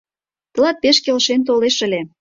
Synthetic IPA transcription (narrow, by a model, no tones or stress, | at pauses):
t̪ə̆lɑt̪̚peʃkelʃent̪oleʃə̆lʲe